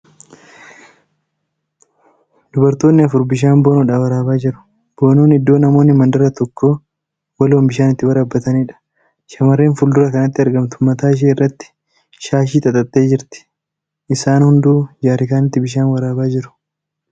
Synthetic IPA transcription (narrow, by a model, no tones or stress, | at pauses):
d̪̥ʊbɐɾt̪o̞ːnːɪɐfʊɾbɪʃ̬aːnboːnʊᶑaːwɐɾaːbaːd͡ʒɪɾʊ̥ | b̥o̞ːnuːnhɪd̪ːo̞ːnɐmoːnːɪmɐnd̪ɐɾɐt̪ɔkʰːo̞ː | wɐloːmbɪʃaːnɪt̪ːɪwɐɾɐbːɐt̪ɐniːᶑɐ̥ | ʃɐmɐrːeːnfʊld̪ʊɾɐkɐnɐt̪ːɪɐɾɡɐmt̪ʊ̥mːɐt̪aːɪʃ̬eːɪrːɐt̪ːɪ̥ | ʃaːʃiːt̪ʼɐt̪ʼɐt̪ʼːe̞ːd͡ʒɪɾt̪ɪ̥ | ʔɪsaːnhʊnd̪uːd͡ʒaːɾɪkaːnɪt̪ːɪbɪʃaːnwɐɾaːbaːd͡ʒɪɾʊ̥